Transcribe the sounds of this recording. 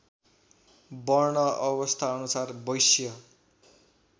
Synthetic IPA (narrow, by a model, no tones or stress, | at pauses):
bʌrɳʌʔʌbʌst̪ʰaʌnusarbʌjsjʌ